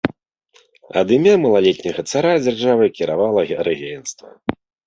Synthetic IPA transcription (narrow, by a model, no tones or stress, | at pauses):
ɐ̰d̪ɨmʲamɐlˠalʲɛt̪ʲnʲɐɣɐt̪saɾad͡zʲarʐavɨkʲiɾavalˠɐɾɨɣʲejnst̪vɐ̰